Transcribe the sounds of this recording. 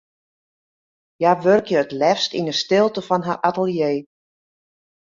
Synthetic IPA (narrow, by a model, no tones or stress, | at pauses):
jaʋørkjəətlɛfstinəstɪlˠtəfɔnɦarʔatəlˠjeː